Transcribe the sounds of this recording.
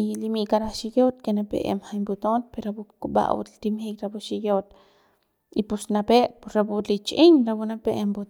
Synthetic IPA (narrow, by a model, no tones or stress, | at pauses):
ilimiʔkaɾaʃijot̪kenapḛʔḛmxaimbut̪onpeɾabukuɓa̰ʔṵt̪t̪imxiːkɾabuʃijot̪̚ | ipusnapeːʔpusɾabulit͡ʃʔiŋɾabunapeʔembut̪